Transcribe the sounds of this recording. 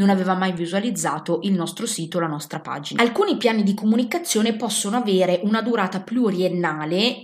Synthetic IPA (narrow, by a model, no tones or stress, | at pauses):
nonaveːvamajvizualid̪zːaːt̪oʔilnɔst̪ɾosiːt̪olanɔst̪ɾapa̰ːd͡ʒinaalkuːnipjaːnid̪ikomunikat̪sːjoːnepɔsːonoaveːɾeʔunad̪uɾaːt̪apjuoɾienːaːle